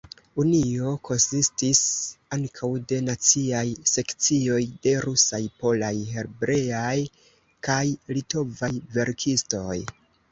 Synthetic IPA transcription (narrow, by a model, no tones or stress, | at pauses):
unio̞kʰo̞nsistisaŋkʰawde̞nat͡siajse̞kt͡sio̞jde̞ɾusajpo̞lajɦe̞ɾbɾe̞aj | kajlito̞vajve̞ɾkʰisto̞j